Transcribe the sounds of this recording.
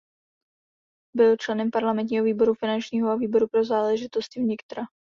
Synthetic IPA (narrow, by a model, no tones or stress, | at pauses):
bɪlt͡ʃlɛnɛmpaɾlamɛnt̪̬ɲiːɦo̞viːbo̞ɾufɪnant͡ʃɲiːɦoaviːbo̞ɾupɾo̞zaːlɛʒɪt̪o̞st̪ɪvɲɪkt̪ɾa